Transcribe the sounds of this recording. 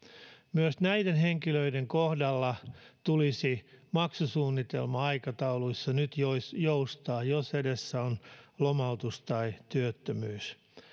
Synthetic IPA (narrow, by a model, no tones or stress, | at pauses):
myøsnæidenheŋkiløideŋkohdɑlːɑt̪ulisimɑksusuːnːit̪ḛlmɑɑikɑt̪ɑuluisːɑnyt̪josjoust̪ɑːjosedesːæonlomɑut̪ust̪ɑit̪yøt̪ːømyːs